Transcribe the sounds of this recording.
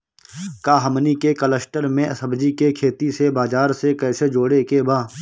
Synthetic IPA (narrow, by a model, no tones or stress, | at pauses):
kaːɦəmnikekələsʈəɾmẽʔɐsəbd͡ʒikekʰeːt̪isebaːd͡ʒaːɾsekɛːsed͡ʒoːɽekebʱaː